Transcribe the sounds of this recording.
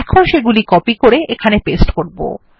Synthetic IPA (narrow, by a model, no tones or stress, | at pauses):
kʰonʃeɡulikɔpikoɾeʔekʰanepesʈkoɾbo̰